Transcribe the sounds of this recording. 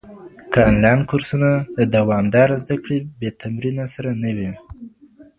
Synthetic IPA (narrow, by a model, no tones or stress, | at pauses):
kəɪnlɑjnkʊɾsunad̪əd̪awɑmd̪ɑɾazd̪akɽebet̪amɾinasaɾanəwi